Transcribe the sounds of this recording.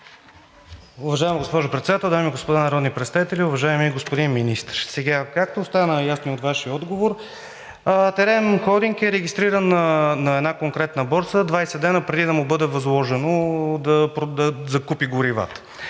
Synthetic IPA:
ʊvɐʒaɛmɡospɔʒʊpɾɛt̪sɛd̪at̪ɛlˠd̪amiɡospod̪anɐɾɔd̪nipɾɛt̪st̪avit̪ɛlʲiʊvɐʒaɛmiɡospod̪inminist̪ɾsɛɡakak̚t̪ost̪anəjasniot̪vaʃiɔd̪ɡovoɾ | ət̪ɛɾɛnxɔd̪iŋkɛɾɛɡist̪ɾiɾənnɐɛd̪nakoŋkɾɛt̪nəbɔɾt̪səd̪vajsɛd̪ɛnəpɾɛd̪id̪ɐmʊbɤd̪ɛvɐzlˠɔʒɛnod̪ɐpɾd̪ɐzɐkupiɡʊɾiva̰t̪ə̥

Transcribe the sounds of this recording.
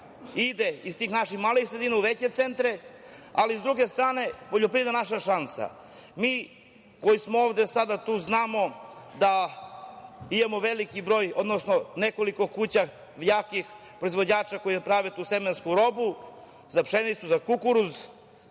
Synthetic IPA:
id̪eist̪iːxnaʃixmaːleixsɾed̪iːnauʋet͡ɕe̞t̪sent̪ɾealizd̪ɾuɡest̪ɾaːne̞poʎopɾid̪anaʃaʃansa̰ | miː | kojismooːʋd̪e̞sad̪at̪uːznaːmo̞d̪a | imamo̞ʋelikibɾo̞ːjo̞d̪nosnonekoliko̞kut͡ɕa | ʋjaːkix | pɾo̞izʋod͡ʑaːt͡ʃakojepɾaʋet̪uːsemenskuɾo̞bu | zapʂenit̪suzakukuɾuz

